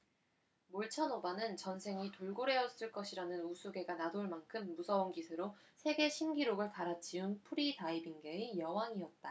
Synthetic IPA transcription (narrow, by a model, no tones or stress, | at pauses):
moɭt͡ɕʰʌnobanɯnt͡ɕʌnsʰe̞ŋitoɭɡoɾe̞ʌs͈ɯɭk͈ʌɕʰiɾanɯnusʰuɡe̞ɡanadoɭmankʰɯmːusʰʌunɡisʰɯɾo | sʰe̞ɡe̞ɕʰimɡiɾoɡɯɭtaɾat͡ɕʰiunpʰuɾitaibiŋɡe̞ejʌwaŋiʌt̚t͈a